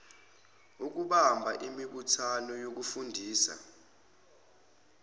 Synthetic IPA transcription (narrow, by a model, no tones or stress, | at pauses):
uk̬uɓambʱaʔimiɓutʰanɔjok̬ufundʱiːsa̰